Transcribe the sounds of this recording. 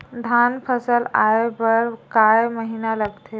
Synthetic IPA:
d̪ʱanpʰəsəlajebəɾkajməɦinaləɡt̪ʰe

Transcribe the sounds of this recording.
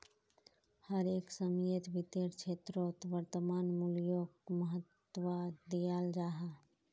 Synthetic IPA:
həɾeːksəmjət̪bit̪eɾt͡ʃʰeːt̪ɾot̪ʋəɾt̪əmaːnmuljokməɦət̪ː | wəd̪ijald͡ʒaːɦa

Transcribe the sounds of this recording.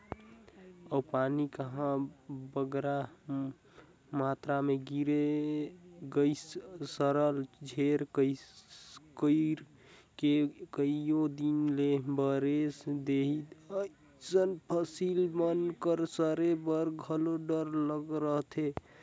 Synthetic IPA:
əwpanikəɦãbəɡɾa | mat̪ɾameɡiɾe | ɡəjssəɾəld͡ʒʱeɾkə | kəɾ | kekəijod̪inlebəɾesd̪eɦit̪ə | sənpʰəsilmənkəɾsəɾebəɾɡʱəloɖəɾləɡɾəɦt̪ʰe

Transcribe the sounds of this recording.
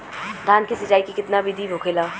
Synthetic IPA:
d̪ʱaːnkisɐt͡ʃaːikikɪt̪nabid̪ʱibʱokʰelaː

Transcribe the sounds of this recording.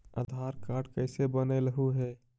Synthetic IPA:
ə̰d̪ʱaɾkaɾɖkəɪsebənəɪləɦuɦɛ

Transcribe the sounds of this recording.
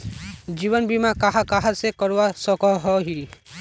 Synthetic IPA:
d͡ʒibɔnbimakaɦakaɦasekɔɾwasɔkɔɦɔɦi

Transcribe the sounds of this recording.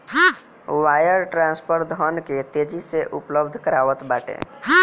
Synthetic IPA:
ɦã | waːjəɾʈɾãːnspʰəɾd̪ʱɔnket̪ed͡ʒiseʔʊpləbd̪ʱkəɾaːʋət̪baːʈḛ̃ɦã

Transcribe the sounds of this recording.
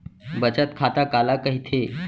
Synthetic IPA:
bət͡sat̪̚kʰat̪akalakəɦit̪ʰe

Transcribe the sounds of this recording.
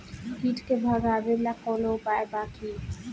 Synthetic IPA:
hiːʈkebʱaɡaːbelakoːlobaːjbaːkʰiː

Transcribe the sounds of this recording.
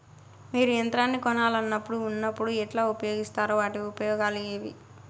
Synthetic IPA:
miːɾujɐnt̪ɾaːnːikɔnaːlɐnːɐpːuɽuːnːɐpːuɽuɛʈlaːupɐjo̞ːɡist̪aːɾuʋaːʈiʋiupɐjɔːɡaːleːʋḭ

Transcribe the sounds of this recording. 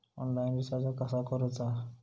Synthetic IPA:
ɔ̰nlajnɾisad͡zakasakɔɾɔt͡sa

